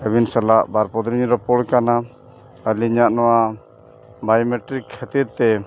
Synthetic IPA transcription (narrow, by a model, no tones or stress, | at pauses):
əbinsalaʔbaɾpɔd̪ɾiɲɾɔpɔɽkana | əliɲaʔnɔwa | bajɔmeʈɾikʰːɛt̪iɾt̪ɛ